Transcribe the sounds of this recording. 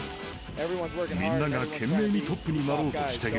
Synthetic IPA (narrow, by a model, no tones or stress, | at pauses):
vɹiwʌ̃zminːaɡakʰemːemit̪ʰop͈ʰːɯɲimaɾooɕi̥t̪ʰeɡ